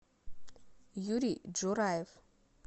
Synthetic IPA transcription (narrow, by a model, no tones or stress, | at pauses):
juɾid͡ʒuɾajv